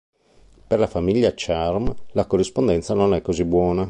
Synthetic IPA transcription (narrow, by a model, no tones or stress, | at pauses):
perlafamiʎːat͡ʃarmlakorːispond̪ɛnt̪sanonɛkːozibwɔːna